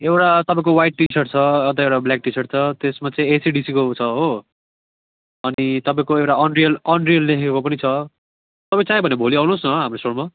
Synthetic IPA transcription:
ewʈat̪ʌpãĩkowajʈːisʌrʈt͡sʰʌʌt̪ʌewʈabljak̚ʈisʌʈt͡sʰʌt̪esmat͡saĩesiɖisikot͡sʰʌɦo | ʌnit̪ʌpãĩkoewʈaʌnrijʌlʌnrijʌllekʰkekop̬ʌnit͡sʰʌ | t̪ʌpãĩt͡saĩbʱʌnebʱoliawnosnʌɦamrosoɽma

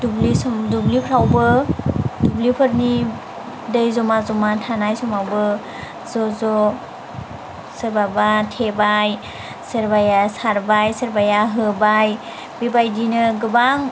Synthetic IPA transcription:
dublisɔmdublipʰɾawbɯdublipʰɯɾni | dɯjzɔmazɔmatʰanajsɔmawbɯ | zɔzɔ | səɾbabatʰebaj | səɾbajasaɾbajsəɾbajaɦɯbaj | bibajdinɯɡɯbaŋ

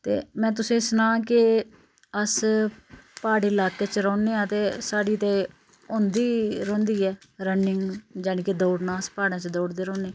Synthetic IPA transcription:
t̪ḛːmɛ̃ːt̪ʊsẽːsənãːkɪ | əs | paːɽeːɪlaːkeːt͡ʃɾɔ̃ːneːãːt̪eːsaːɽiːt̪eː | õːnd̪iːɾõːnd̪iːɛːɾənɪŋɡd͡ʒɛːɽĩːked̪oːɽnãːəspaːɽãːt͡ʃd̪oːɽd̪eːɾõːneː

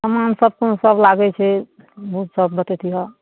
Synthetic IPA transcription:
səmansəb̚konosəblaɡɛt͡ʃʰɛ | bʱut̪səb̚bət̪ɛt̪ʰiɦɔ

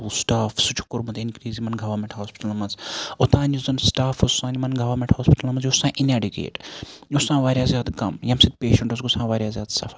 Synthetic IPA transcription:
uːsʈaːfsut͡ʃʰu̥kːʊɾmut̪inkɾiːzimɐnɡɐʋɐɾmʲeɳʈɦoːspi̥ʈɐlɐmɐnzot̪ãːnʲuzɐnsʈaːfosːãːnimɐnɡɐʋɐɾmẽɳʈhoːspi̥ʈɐlɐmɐnzjusãːʔineːɖikḛːʈusãːʋaːɾjaːzjaːd̪kɐmjɐmsid̪̚peːʃɐɳʈosɡusãːʋaːɾʲjaːzʲjaːd̪sɐ̰fɐ

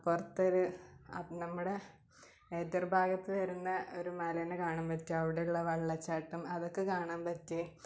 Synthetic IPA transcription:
purɐt̪ːoɾuɐ̰nɐmːuɽe̞ | eːd̪ɐrbʱaːɡɐt̪ːɨʋɐɾunːɐo̞ɾumɐlɐnɨkaːɳaːmpɐtːiɐʋiɽejuɭːɐʋɐɭːɐt͡ɕːaːʈːumɐðo̞kːekaːɳaːmpɐtːɨ

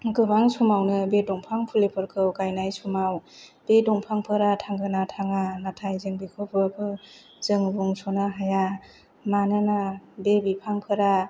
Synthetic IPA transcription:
ɡɯbaŋsumawnɯbedɔŋpʰaŋpʰulepʰɯɾkʰɯwkajnajsumawb̥edɔŋpʰaŋpʰɯɾatʰaŋɡɯnatʰaŋanatʰajzɯŋbikʰɯpʰɯkʰɯ | z̥ɯŋbuŋsɔnaɦaja | manɯnabebipʰaŋpʰɯɾa

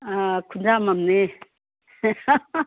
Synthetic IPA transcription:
kʰundamamne

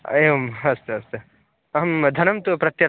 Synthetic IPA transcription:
eʋɐmɐst̪ɨɐst̪ɨ | ɐɦɐmd̪ʱɐnɐmt̪upɾɐt̪jɐɾ

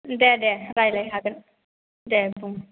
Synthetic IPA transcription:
dɛdɛɾajlajɦakən | dɛbuŋ

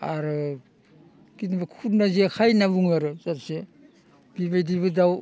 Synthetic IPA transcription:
aɾɯ | kinbakʰutnazekʰajnabuŋaɾɯzaɾse | b̥iβajdiβɯdaw

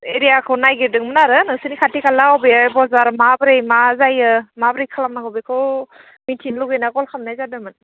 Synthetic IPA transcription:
eɾijakʰɯwnajɡiɾdɯŋmɯnaɾɯnɯŋsɯnikʰatikʰalaɔwbebɔzaɾmabɾejmazajɯmabɾejkʰalamnaɡɯbekʰɯw | mitʰinluɡejnaɡɔlkʰamnajzadamɯn

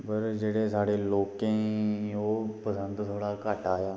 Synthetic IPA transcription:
bəɾd͡ʒeɽesaːɽeloːkẽjopəsə̃nd̪soɽakaːʈaːjaː

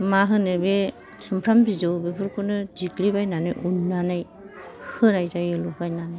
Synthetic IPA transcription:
maɦɯnɯbe | sʰɯmpʰɾambizɯwbebʰɯɾkʰunɯdiklibajnana̰jʔunːanaj | hɯnajzajɯlɔkʰajnanaj

